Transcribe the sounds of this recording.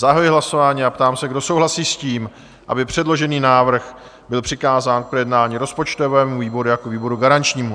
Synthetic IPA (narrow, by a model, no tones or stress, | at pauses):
zaɦajɪɦlaso̞vaːɲiːapt̪aːmsɛɡdo̞so̞wɦlasiːsciːm | ʔa̰bɪpr̝̥ɛdlo̞ʒɛniːnaːvr̩x | bɪlpr̥ɪkaːzaːnk̚pɾojɛdnaːɲiːɾo̞spo̞t͡ʃt̪ovɛːmuviːbo̞ɾujakoviːbo̞ɾuɡaɾant͡ʃɲiːmu